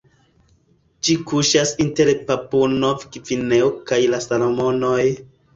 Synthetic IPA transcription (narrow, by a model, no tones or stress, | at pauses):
d͡ʒikuʃasinteɾpapunovikifineokajlasalo̞mo̞noj